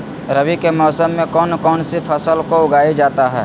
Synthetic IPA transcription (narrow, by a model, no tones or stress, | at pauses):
ɾɐʋikemɔːsəmːẽkɔːnkɔːnsipʰɐsəlkoʊɡaːid͡ʒaːt̪aɦɛ̰ː